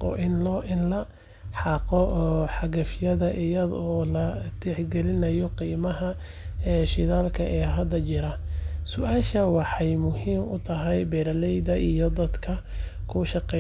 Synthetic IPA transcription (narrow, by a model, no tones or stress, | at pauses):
ɔ̰ʔɪnlɔʔɪnlɐ | ħɑːqɔʔːħɑɣɐfjɐðɐʔɪjɐðɔːlɐt̪ʰɛħɡɛlɪnɐjɔqiːmɐɦɐ | ʃɪðaːlkʰɐʔɛːɦɐd̪ɐt͡ʃɪɾɐsʊʔaːʃɐwɑħɑjmʊhiːmʊ̰t̪ʰɐɦɛjbɛːɾɐlɛjd̪ɐʔijɔd̪ɐd̪kʰɐ | kʰʊʃɑqɛ